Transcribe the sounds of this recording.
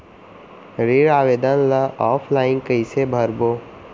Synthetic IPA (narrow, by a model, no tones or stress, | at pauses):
ɾiːɾaːʋeːd̪ənlaʔɔːpʰlaːɪ̃ŋkəisebʱəɾboː